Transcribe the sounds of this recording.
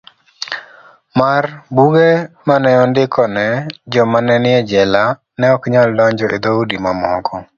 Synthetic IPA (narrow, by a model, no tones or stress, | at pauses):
marbuɡe | manɛɔndɪkʰɔnɛd͡ʒɔmanɛnɪɛd͡ʒɛla | nɛɔkɲaldɔɲd͡ʒɔʔed̪audimamɔkɔ